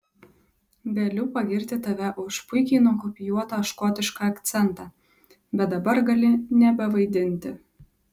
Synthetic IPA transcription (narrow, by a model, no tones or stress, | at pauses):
ɡʲelʲuːpɐɡʲɪɾʲt̪ʲɪt̪ɑʋʲæʔʊʃpʊjkʲenokopʲɪjuɔt̪oʃkot̪ʲɪʃkɑɐkt̪t͡sʲɛnt̪ɑ | bʲɛt̪d̪ɐbɐɾɡɐlʲɪnʲɛbʲɛʋɐɪd̪ʲɪnʲt̪ʲɪ